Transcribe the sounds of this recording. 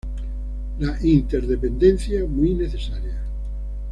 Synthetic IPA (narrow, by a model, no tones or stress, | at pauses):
laʔint̪eɾðepend̪ẽn̟θjamwuijneθesaɾja